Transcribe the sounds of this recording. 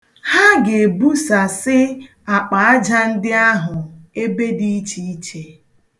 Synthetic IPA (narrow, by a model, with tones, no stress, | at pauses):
ha˦ɡe˨bu˦sa˨sɪ˦ | a˨k͡pa˨a˦d͡ʒa˦n̩˦dɪ˦a˦ɦʊ˨e˦be˦di˦i˦t͡ʃi˦i˦t͡ʃe˦